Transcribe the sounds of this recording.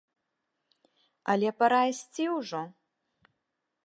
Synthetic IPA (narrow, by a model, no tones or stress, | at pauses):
a̰lʲɛpɐɾajsʲt͡sʲiwʐɔ